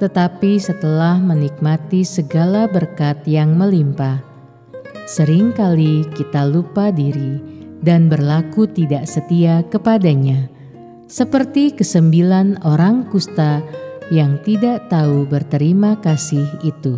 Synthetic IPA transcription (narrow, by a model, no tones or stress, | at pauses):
t̪ət̪apisət̪əlahmənik̚mat̪isəɡalabərkat̪̚jaŋməlimpah | səɾɪŋkalikit̪alupadiɾidanbərlakut̪idaʔsət̪iakəpadaɲa | səpərt̪ikəsəmbilanoɾaŋkust̪ajaŋt̪idaʔt̪aubərt̪əɾimakasɪhit̪u